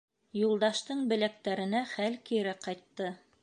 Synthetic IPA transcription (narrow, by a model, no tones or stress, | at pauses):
julˠd̪ɑʃt̪ɤɴbɘ̆læk̚t̪æɾɘ̆næχælkiɾæqɑjt̪ːɤ